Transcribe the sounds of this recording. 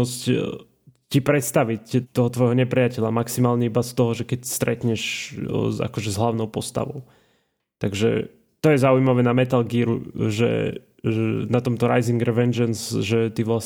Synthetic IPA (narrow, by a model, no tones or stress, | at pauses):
ɔsc | cipɾɛt̪st̪aʋict̪ːɔɦɔt̪ʋɔjɦɔɲɛpɾijacɛlʎamaksimaːlɲɛibast̪ɔɦɔʒɛkɛcst̪ɾʔɛ̰t̪ɲɛʃ | a̰kɔʒɛzɦlaʊnɔʊpɔst̪a̰ʋɔ̰ʊ | t̪aɡʒɛ̰ | t̪ɔjɛzaujmaʋɛːnamɛt̪alɡiːɾṵʒɛ̰ | ɛnat̪ɔmt̪ɔɾajziŋɡɾɛʋɛnd͡ʒɛnzʒɛt̪iʋlas